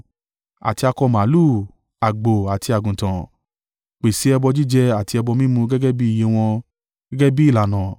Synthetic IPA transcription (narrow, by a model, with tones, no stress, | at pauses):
a̰˨ti˧a˧kɔ˧mã˨˦lu˦˨ | a˨ɡ͡bo˨a˨ti˧a˨ɡũ˨tã˨ | k͡pe˨si˨˦ɛ˧bɔ˧d͡ʒi˦˨d͡ʒɛ˧a˦˨ti˧ɛ˧bɔ˧mĩ˦mũ˧ɡɛ˦ɡɛ˦bi˦i˦˨je˧˦w̃ɔ̃˧˦ | ɡɛ˦bi˦i˦˨la˨nã˨